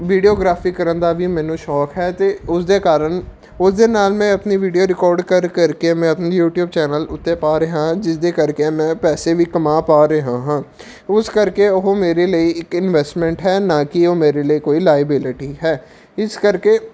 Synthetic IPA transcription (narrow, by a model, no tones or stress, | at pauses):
ʋiːɖioːɡɾaːfiːkəɾənd̪aːʋiːmɛ̃ːnũːʃɔːkɦɛːt̪eːʊsd̪eːkaːɾəɳ | ʊsd̪eːnaːlmɛ̃ːəpniːʋiːɖijoːɾɪkɔːɾɖkəɾkəɾkemɛ̃ːəpniːjuːʈjuːbt͡ʃɛːnəlʊt̪ːeːpaːɾeːɦãːd͡ʒɪsd̪eːkəɾkemɛ̃ːpɛːseːʋiːkəmãːpaːɾeɦãːɦãː | ʊskəɾkeːʊɦõːmeːɾeːləiːɪkɪnʋɛːsʈmɛ̃ːɳʈɦɛːnãːkɪoːmeːɾeːləiːkoːiːlaːjəbɪlɪʈiːɦɛː | ɪskəɾkeː